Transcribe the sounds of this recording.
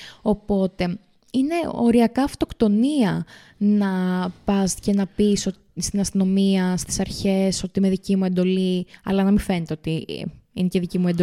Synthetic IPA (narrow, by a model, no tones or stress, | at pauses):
o̞po̞t̪e̞ | ine̞o̞̰ɾiɐkɐːft̪o̞kt̪o̞niɐ | nɐpɐsce̞nɐpiso | st̪inɐst̪ino̞miɐst̪i̥sɐɾçe̞so̞t̪ime̞ðicimue̞nd̪o̞liɐ̰lɐnɐmife̞net̪eo̞t̪iineceðicimuend̪o